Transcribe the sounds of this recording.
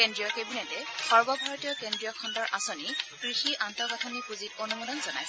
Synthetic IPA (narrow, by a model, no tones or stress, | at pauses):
kendɹijɔkebinɛtɛxɔɹbɔbʱaɹɔtijɔkendɹijɔkʰɔndɔɹʔasonikɹixiʔantɔkatʰɔnikuzit̚onumɔdɔnzɔna̰jsɛ